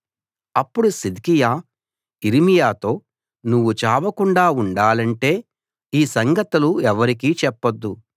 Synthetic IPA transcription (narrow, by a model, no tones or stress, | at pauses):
ɐpːuɽusid̪kijaː | iɾimijaːt̪o̞ː | nuʋːut͡ʃaːʋɐkuɳɖaːuɳɖaːlɐɳʈe̞ː | iːsɐŋɡɐt̪ɐluɛʋɐɾikiːt͡ʃɛpːɐd̪ːu